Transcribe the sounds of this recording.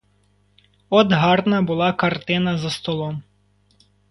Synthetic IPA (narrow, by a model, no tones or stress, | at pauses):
ɔd̪ɦɑrnɐbʊlˠɑkɐrt̪ɪnɐzɐst̪ɔlˠɔm